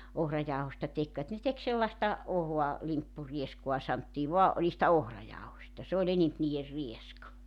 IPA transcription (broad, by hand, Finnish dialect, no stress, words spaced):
ohrɑjɑohostɑ tekʋæt ne tek selːɑstɑ ohoɑ limpːurieskuɑ sɑntːiː ʋoɑ o niːstæ ohrɑjɑohosʲtɑ se olʲ enemp niːer rieskɑ